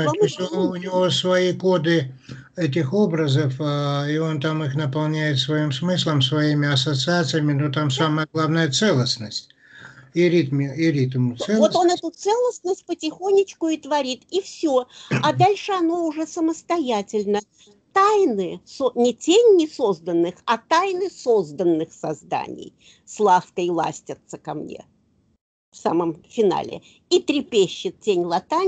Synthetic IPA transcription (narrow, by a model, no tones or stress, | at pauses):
oʊnʲɪvosvɐiko̞d̪ɨ | ɛt̬ʲɪxo̞bɾəzəfio̞nt̪amɨxnəpɐlˠnʲæjɪt̪svɐimsmɨslˠəmsvɐimʲɪɐsət̪sɨat̪sɨjəmʲɪnot̪amsaməjəɡlˠavnəjət̪sɛlˠəsnəsʲtʲ | ɪɾʲit̪mʲɪɪɾʲit̪mt̪ɛvot̪onɛt̪ʊt̪sɛlˠəsnəsʲt̚ʲpətʲɪxonʲːɪt͡ɕkʊɪt̪vɐɾʲit̪ifsʲoɐd̪alʲʂɨɐno̞ʊʐɛsəməst̪ɐjætʲɪlʲnə | t̪ajnɨsonʲɪtʲenʲːɪso̞zd̪ənːɨxɐt̪ajnɨso̞zd̪ənːɨxsɐzd̪a̰nʲɪ̰j | slˠafkəjlˠa̰sʲtʲət̪səkɐmnʲḛ | fsa̰məmfʲɪna̰lʲɪ̰ | it̪ɾʲɪpʲeɕːɪt̪̚tʲenʲlˠɐt̪anʲ